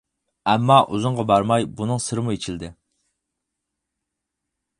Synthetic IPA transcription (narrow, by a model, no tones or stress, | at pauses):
ɛmːɑʔuzʊɴʁɑbɑɾmɑjbunɨŋsɨɾɨmuet͡ʃʰild̪ɪ